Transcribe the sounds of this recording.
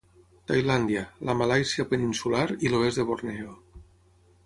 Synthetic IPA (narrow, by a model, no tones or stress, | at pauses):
t̪ajland̪ialamalajsjapeninsulaɾiloezðeβorneo